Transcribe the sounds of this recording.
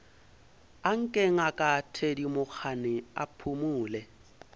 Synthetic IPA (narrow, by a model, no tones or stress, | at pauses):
aŋ̩kʼeŋ̩akʼatʰedimʊk͡xʰanɪa̰pʰumuːlɛ